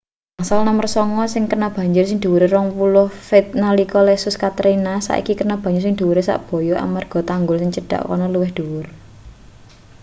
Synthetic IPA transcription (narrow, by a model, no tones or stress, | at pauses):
masalnamərsɔŋɔsɪŋkərnab̥ä̤ɲd͡ʒʊrsɪŋd̪̥ṳwɾeɾɔŋpulʊhfɪt̪̚nalikɔlɛsʊskat̪ɾinasa̰ʔḭkikərnab̥a̤ɲd͡ʒʊrsɪŋd̪̥ṳɾesa̰ʔb̥ɔ̤jɔʔa̰marɡ̥ɔ̤t̪aŋɡʊlsɪŋt͡ʃəɖ̥a̤̰ʔkɔ̰nɔluwɪhd̪̥uwʊr